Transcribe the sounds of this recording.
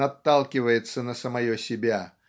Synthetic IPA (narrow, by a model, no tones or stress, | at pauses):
ɐt̪ːalˠkʲɪvəjɪt̪sənəsəmɐjosʲɪbʲa